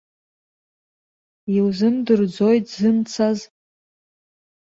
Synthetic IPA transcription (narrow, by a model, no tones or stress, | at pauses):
iwzɨndɨrd͡zo̞jtʰzɨnt͡sʰaz